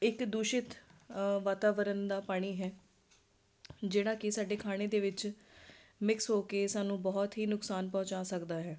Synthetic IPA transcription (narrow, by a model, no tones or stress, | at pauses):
ɪkd̪uːʃɪt̪ʋaːt̪aːʋəɾənd̪aːpaːɽ̃iːɦɛː | d͡ʒeːɽ̃aːkɪsaːɖeːkʰaːɽ̃eːd̪eːʋɪt͡ʃ | mɪksɦoːkeːsaːnũːbɔːt̪ɦiːnʊksaːnpɔ̃ːt͡ʃaːsəkd̪aːɦɛː